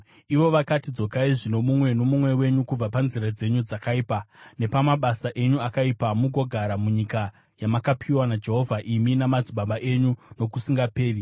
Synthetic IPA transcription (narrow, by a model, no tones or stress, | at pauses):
iʋo̞ʋakatid͡zo̞kaiʐino̞mumwe̞no̞mumwe̞we̞ɲukub͡vapanziɾad͡ze̞ɲud͡zakaiːpane̞pamaɓasaʔe̞ɲuakaipamuɡʱo̞ɡʱaɾamuɲika | jamakapʰiwanad͡ʒe̞ɦo̞vʱaʔiminamad͡ziɓaɓaʔe̞ɲuno̞kusiŋɡape̞ːri